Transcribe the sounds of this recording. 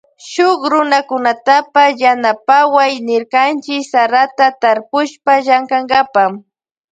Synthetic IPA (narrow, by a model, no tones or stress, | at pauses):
ʃʊkɾʊnakʊnat̪apasjanapawajnɪɾkant͡ʃɪksaɾat̪at̪aɾpʊʃpaʒaŋkaŋɡapam